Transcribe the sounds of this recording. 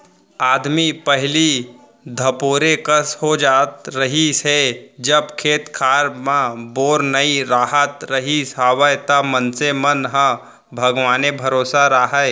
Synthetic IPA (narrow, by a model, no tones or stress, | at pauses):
aːd̪mipəɦɪli | d̪ʱɐpoːɾekəsɦod͡ʒaːt̪ɾɐɦised͡ʒəbkʰeːt̪kʰaːɾmãboːɾnəiɾaːɦət̪ɾəɦisɦaːʋəjt̪ɐmənsemənɦə̃ | bʱɐɡʋaːnebʱɐɾoːsaɾaːɦəe